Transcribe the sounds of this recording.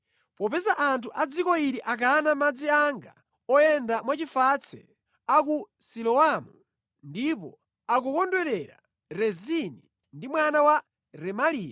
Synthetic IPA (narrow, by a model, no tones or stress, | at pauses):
pɔpɛzaʔantʰuʔad͡zikɔiɾiʔak̬anamad͡ziaŋɡa | ɔjɛndamwat͡ʃifat͡sʰɛ̰ | ak̬usilɔamu | ndipɔ̰ | ak̬ɔkɔndwɛɾɛɾa̰ | ɾɛzini | ndimwanawa | ɾɛmaliːja